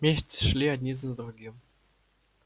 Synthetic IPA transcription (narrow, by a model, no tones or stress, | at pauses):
mʲeɕʲtʲt͡sʂlʲiad̪ʲnʲizʲnʲd̪ruɡʲim